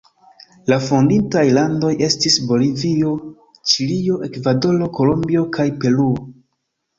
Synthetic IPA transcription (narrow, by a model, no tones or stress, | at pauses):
lafondintajlando̞jʔe̞stisbo̞livio̞ | t͡ʃilio̞ʔe̞kvado̞lo̞ko̞lombio̞kʰajpe̞luo